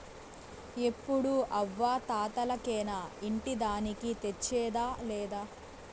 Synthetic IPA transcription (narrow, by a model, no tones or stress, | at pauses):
epːuɽuʔɐʋːaːt̪aːt̪ɐlɐkɛːnaːiɳʈid̪aːnikit̪et͡ʃːɛːd̪aːlɛːd̪aː